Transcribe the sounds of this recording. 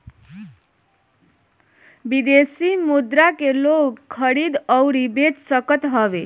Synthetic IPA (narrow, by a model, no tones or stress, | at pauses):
bid̪esimud̪ɾakelokkʰːʌɾid̪ʌwɾibet͡ssʌkət̪ɦʌbe